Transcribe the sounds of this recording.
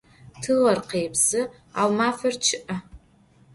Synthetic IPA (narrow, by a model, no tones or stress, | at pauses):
tʰɨʁɐrqeːjbz̥ɨ | awmaːfɐrt͡ʃʰɨʔɐ